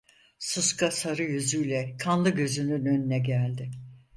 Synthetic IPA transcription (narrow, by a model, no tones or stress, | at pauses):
suskʰasaɾɯjyzyjlʲɛkʰanlˠɯɟø̞zynynø̞nynɛɟælʲd̪ɪ